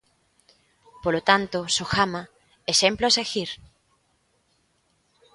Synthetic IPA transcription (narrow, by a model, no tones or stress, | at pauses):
polot̪ant̪osoxama | esemploesexiɾ